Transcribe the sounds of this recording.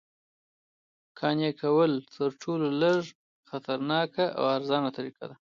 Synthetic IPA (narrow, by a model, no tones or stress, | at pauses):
kʰɑnjakawəlt̪ʰəɾʈʰololəʐ | xat̪aɾnɑkaʔa̰waɾzɑnat̪aɾika̰d̪a